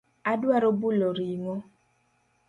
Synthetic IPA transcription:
aduaɾobulɔɾiŋɔ

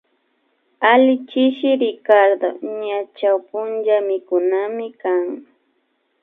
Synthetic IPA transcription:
alɪt͡ʃɪʃɪɾɪkaɾd̪o̰ɲat͡ʃawpʊnd͡ʒamɪkʊnamɪkaŋ

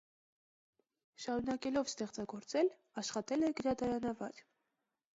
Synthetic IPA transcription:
ʃɑɾunɑkɛlɔvst̪ɛχt͡sɑɡɔɾt͡sɛl | ɑʃχɑt̪ɛlɛɡəɾɑd̪ɑɾɑnɑvɑɾ

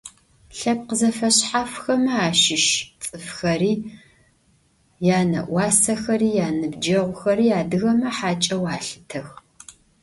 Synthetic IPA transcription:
ɬɐp̚qəzɐfɐɕħafxɐmɐaːʃɪʃt͡sʼɨfxɐriː | jaːnɐ̰ʔʷɑːsɐxɐriːjaːnɨbd͡ʒɐʁʷʊxɐɾiːjaːdɨɣɐmɐħaːt͡ʃʼɐwaːɬɨ̥tʰɐx

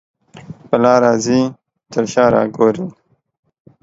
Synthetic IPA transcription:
pɐlɑːɾɑːzi | t̪əɾɕɑːɾɑ̰ːɡoːɾi

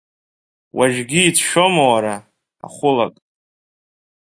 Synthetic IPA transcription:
waʒɡʲiːtʰʃo̞mowaɾa | a̰χʷʊlakʼ

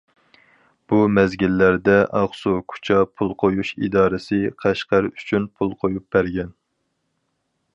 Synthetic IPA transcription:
b̥umɛzɡʲilːæɾd̪ɛʔɑʁsukʰu̥t͡ʃʰɑpʰulˠqʰojuʃḭd̪ɑːɾɨsɨqʰæʃqæɾyt͡ʃʰynpʰulˠqʰojup̚bæɾɡʲɛn

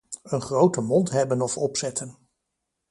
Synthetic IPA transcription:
ənχrowtəmɔntɦɛbənɔfɔpsɛtən

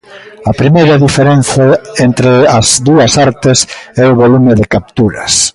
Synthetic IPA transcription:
ɐpɾimejɾɐðifeɾen̟θɐent̪ɾeɐzðuɐsaɾt̪ɪsɛʊβolumɪðɪkap̚t̪uɾɐs

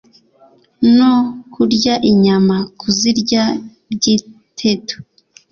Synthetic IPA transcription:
nokʰuɾɟaʔiɲamakuziɾɟa | bɟi | tʰe̞to̥

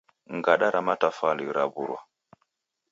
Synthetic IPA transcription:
ŋɡaɗaɾamatafaliɾabuɾwa

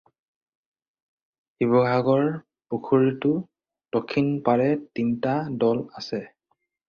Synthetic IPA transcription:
hibɔɡaɡɔɹ | pukʰoɹitʊ | tɔkʰːinpaɹɛtintadɔlasɛ

